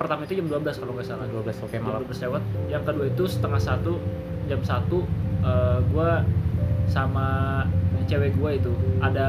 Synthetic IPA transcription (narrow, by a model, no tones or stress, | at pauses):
pərt̪amait̪ud͡ʒamduabəlaskaloŋɡasanadablasɛalablaslewat̪̚jaŋkəduait̪usə̥t̪əŋahsat̪u | d͡ʒamsat̪uəɡua | sama | t͡ʃeweɡuait̪uʔada